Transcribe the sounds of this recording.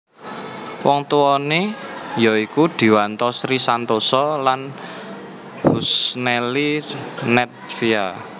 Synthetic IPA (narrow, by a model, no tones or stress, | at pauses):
wɔŋt̪uɔnejɔikud̪̥i̤want̪ɔsɾisant̪osɔlan | b̥usnɛlinɛt̪̚fia